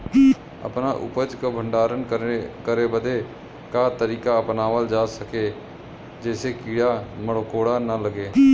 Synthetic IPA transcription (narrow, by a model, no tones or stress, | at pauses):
ə̰pnaʔʊ̰pəd͡ʒkabʱə̃ɳɖaːɾənkəɾebəd̪e | kaːt̪əɾiːkaəpnaːʋəld͡ʒaːsəke | d͡ʒɛːsekiːɽaməɽokoːɽanələɡeː